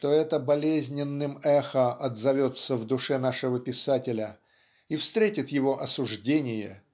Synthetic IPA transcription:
ʂt̪o̞ɛt̪əbɐlʲezʲnʲɪnːɨmɛxəʔɐd̪zɐvʲo̞t̪səvd̪ʊʂɛnaʂɨvəpʲɪsatʲɪlʲə | ifst̪ɾʲetʲɪt̪jɪvo̞ʔɐsʊʐdʲenʲɪjə̰

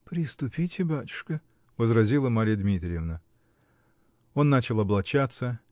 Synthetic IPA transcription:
pɾʲɪst̪ʊpʲitʲʰɪbatʲʊ̥ʂkə | vəzrɐzʲilˠəmaɾʲɪjəd̪mʲit̪ɾʲɪjevnə | o̞nːat͡ɕɪlˠɐblˠɐt͡ɕat̪sə

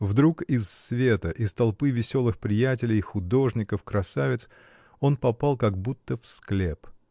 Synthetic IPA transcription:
vd̪ɾukɪsːvʲe̞t̪əʔɪst̪ɐlˠpɨvʲɪsʲo̞lˠɨxpɾʲɪjæt̬ʲɪlʲɪjxʊd̪o̞ʐnʲɪkəfkɾɐsavʲɪt̪s | o̞npɐpɑlˠkɐɡbut̪ːəfsklʲe̞p

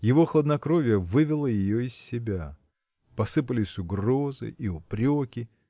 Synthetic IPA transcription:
jɪvo̞xlˠəd̪nɐkɾovʲɪjəvɨvʲɪlˠəjɪjoɪsːʲɪbʲa | pɐsɨpəlʲɪsʲʊɡro̞zɨ̰jiʊpɾʲokʲɪ

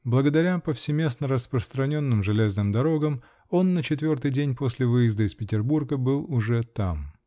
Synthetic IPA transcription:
blˠəɡəd̪ɐɾʲapəfsʲɪmʲe̞snəɾəspɾəst̪ɾɐnʲo̞nːɨmʐɨlʲeznɨmd̪ɐɾo̞ɡəm | o̞nːət͡ɕɪt̪vʲo̞rt̪ɨjdʲenʲposʲlʲɪvɨjɪzd̪əɪspʲɪtʲɪrburɡəbɨlˠʊʐɛt̪am

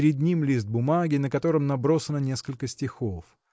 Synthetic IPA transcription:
ɾʲɪd̪ʲnʲimlʲist̪̚bʊmaɡʲɪnəkɐt̪o̞ɾəmnɐbɾo̞sənənʲe̞skəlʲkəsʲtʲɪxof

